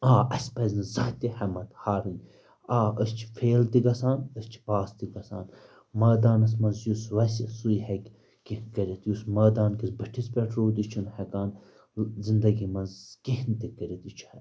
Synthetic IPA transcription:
aːɐsʲpɐzʲnizɐt̪ihɐmɐt̪haːɾinʲ | aːəst͡ʃʰfʰeːlt̪iɡɐsaːnəsʲt͡ʃʰi̥baːst̪iɡɐsa̰ːn | mɐːd̪aːnɐs̬mɐnzjusʋɐsʲisujhɛkʲ | kinkɐɾʲit̪jusmɐːd̪aːnkisbɐʈʰispʲɛʈʰɾoːd̪ʲit͡ʃʰunhɐkaːn | zind̪ɐɡimɐnzkihnt̪ikɐɾit̪it͡ʃʰu̥ɐ

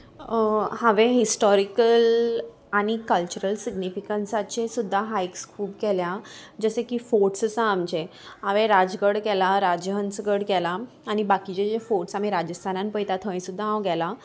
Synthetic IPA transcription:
hãʋẽɦisʈɔɾikəl | aɽ̃ikəlt͡ɕuɾəlsiɡnifikəɳsat͡ɕesud̪ʱːaɦajkskʰuːbkɛljad͡zəsekifoʈsəsãːmt͡ɕeɦãʋẽɾad͡zɡəɽkɛlaɾad͡ʑɦənsɡəɽɡɛlaː | ñibakit͡ɕed͡ʑefoʈsamiɾad͡ʑəst̪ʰanãnpəjt̪at̪ʰə̃j̃sud̪ʱːaɦãwɡɛla

